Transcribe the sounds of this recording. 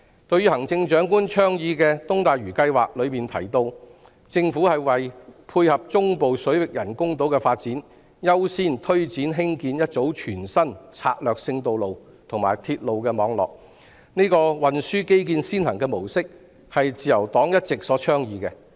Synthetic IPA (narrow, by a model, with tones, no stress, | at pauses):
t̪ɵ˧ɥyː˥hɐ˨˩ŋt͡sɪ˧ŋt͡ʃœː˨˥ŋkuː˥nt͡ʃʰœː˥ŋjiː˨˧kɛ˧t̪ʊ˥ŋt̪aː˨jɥyː˨˩kɐ˧jwaː˨k̚lɵ˨˧ɥmiː˨nt̪ʰɐ̰˨˩jt̪o˧w | t͡sɪ˧ŋfuː˨˥hɐ˨jwɐ˨˩jpʰuː˧jhɐ˨p̚t͡sʊ˥ŋpo˨wsɵ˨˥wɪ˨k̚jɐ˨˩nkʊ˥ŋt̪o˨˥wkɛː˧faː˧t̚t͡siː˨˥n | jɐ˥wsiː˥nt̪ʰɵ˥ɥt͡siː˨˥nɦɪ˥ŋkiː˧njɐ˥t̚t͡so˨˥wt͡ʃʰyː˨˩nsɐ˥nt͡sʰa̰ː˧k̚lœː˨k̚sɪ˧ŋt̪o˨wlo˨w | t̪ʰʊ˨˩ŋmaː˨jt̪ʰiː˧t̚lo˨wkɛː˧mɔː˨˧ŋlɔ̰ː˨k̚ | niː˥kɔː˧wɐ˨nsyː˥ke˥jkiː˧nsiː˥nhɐ˨˩ŋkɛ˧mo˨˩wsɪ˥k̚ | hɐ˨jt͡siː˨jɐ˨˩wt̪ɔː˨˥ŋjɐ˥t̚t͡sɪ˨k̚sɔː˨˥t͡ʃʰœː˥ŋjiː˨˧kɛ˧